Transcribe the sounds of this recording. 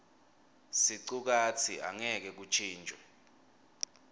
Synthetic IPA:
siǀuk̬at͡sʰia̰ŋɛk̬ɛk̬ut͡ʃʰiːnd͡ʒʱʼɔ

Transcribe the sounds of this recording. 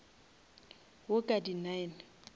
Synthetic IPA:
wʊkʼadinaɪn

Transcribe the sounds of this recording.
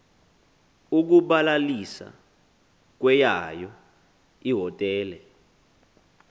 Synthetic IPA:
uk̬uɓalalisa̰ | k̬wɛjajɔ | iɦɔtʼɛːlɛ

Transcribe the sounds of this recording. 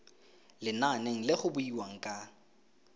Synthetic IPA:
lɪnaneŋ̩lɪχʊbʊiwaŋ̩kʼa

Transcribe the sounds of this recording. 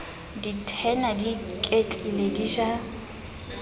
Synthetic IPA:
ditʰɛnadikʼet͡ɬʼilediʒa

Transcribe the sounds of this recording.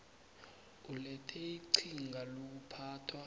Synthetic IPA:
ulɛtʰɛiǀʰiŋɡʱalok̬upʰaːtʰwa

